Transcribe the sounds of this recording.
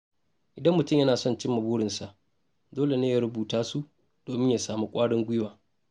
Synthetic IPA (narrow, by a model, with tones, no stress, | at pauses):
ʔɪ˨dɐ˦mːʊ˨tʊ˦˨mjɐ˦naː˨sɔ˦˨nt͡ʃɪ˦mːɐ˨buː˦ɽɪ˨nsa˨ʔ | doː˦le˨neː˦ja˦ɾʊ˦buː˨taː˦su˦ʔ | d̥oː˨mɪ˦ɲja˨saː˨mu˦kʷʼaː˦ɽɪ˦ŋɡʷʊ˦jwaː˨